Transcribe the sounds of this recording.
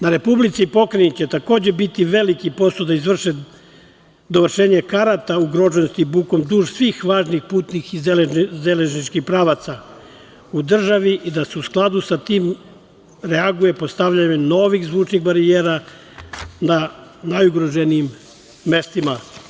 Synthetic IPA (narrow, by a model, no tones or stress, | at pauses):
naɾe̞publit̪sipo̞kɾenit͡ɕe̞t̪ako̞ːd͡ʑe̞bit̪iʋe̞likipo̞sod̪aizʋr̩ʃe | d̪o̞ʋr̩ʃeːɲe̞kaɾat̪auɡɾo̞ʒenost̪ibuːko̞md̪uːʒsʋixʋaːʒnixpuːt̪nixizezeleʒnit͡ʃkixpɾaːʋat̪sa | ud̪r̩ʒaʋiʔid̪aseusklˠad̪usat̪iːm | ɾeaɡuje̞po̞st̪aʋʎaɲeno̞ːʋixzʋuːt͡ʃnixbaɾieːɾa | nanajuɡɾoʒeniːmː | e̞st̪ima